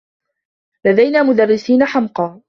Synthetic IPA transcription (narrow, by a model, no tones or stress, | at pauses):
lad̪ajnaːmʊd̪arːɪsiːnaħamqɑː